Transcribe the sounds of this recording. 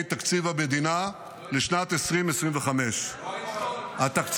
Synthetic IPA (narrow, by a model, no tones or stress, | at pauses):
jt̪akt͡sivamed̪ina | leʃnat̪esʁimesʁimveχame̞ʃ | hat̪akt͡s